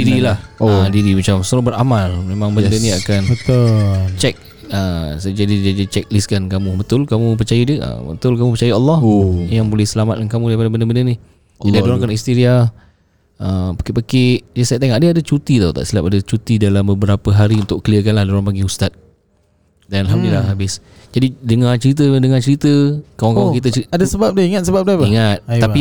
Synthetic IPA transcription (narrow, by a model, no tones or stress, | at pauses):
diɾilahədiɾimat͡ʃamsəɾɔbəɾa̰malmemãŋbəndənĩakanbət̪ot͡ʃɛk̚ | əsad͡ʒadidad͡ʒət͡ʃɛk̚liskankamũbət̪ʊlkamũp̬ərt͡ʃajadiəə̰bət̪ʊlkamũpərt͡ʃajaalːɔhjaŋbolɛhsəlamat̪̚kankamũdajipadabəndəbəndəni | adiadoɾakanist̪iɾia | ʔəpḁkɪʔpakɪʔd͡ʒisat̪aŋaʔdəadat͡ʃut̪it̪awt̪a̰ʔsilapadət͡ʃut̪idalambəbəɾapəɦaɾiunt̪ʊʔkəliəkanlahdoɾaŋpaɡiust̪at̪̚ | danalɦamdlilaɦabɪsd͡ʒadidəŋat͡ʃəɾit̪̬ədəŋat͡ʃəɾit̪əkaaŋkamukit̪əiadasəbap̚dəiŋat̪səbap̚dapaiŋat̪̚api